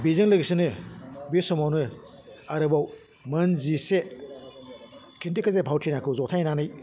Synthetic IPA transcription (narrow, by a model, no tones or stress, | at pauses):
bizɯŋlɯɡɯsɯnɯbisɔmawnɯ | aɾɯbaw | mɐnzise | kʰintekɐzepʰawtʰinakʰɯwzɔtʰajnanɯj